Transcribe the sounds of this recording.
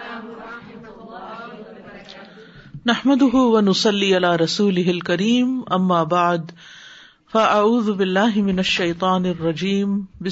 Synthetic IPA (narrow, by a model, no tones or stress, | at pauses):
naħmad̪ʊɦʊwanʊsˤɑlːiːʔalaːɾˤɑsuːlɪɦɪlkaɾiːmʔamːaːbaʕd̪ | faʔaʕuːðʊbɪlːaːɦɪmɪnaʃːɐjt̪ˤɑːnrˤːɑd͡ʒiːmbɪ